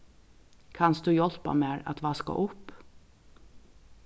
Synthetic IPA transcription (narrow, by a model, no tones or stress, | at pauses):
kʰansd̪ʉːjɔl̥pa̰meːɹa̰t̪ʋaska̰ʔʊp